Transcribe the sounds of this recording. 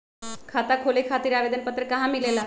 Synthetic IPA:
kʰat̪akʰolekʰat̪iːɾaʋed̪ənpət̪ːɾəkaɦãmilela

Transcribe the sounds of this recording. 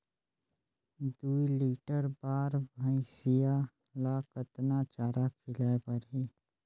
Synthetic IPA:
d̪uːiliːʈəɾbaːɾbʱə̃isija | laːkət̪nat͡ʃaːɾakʰɪlaːpəɾɦiː

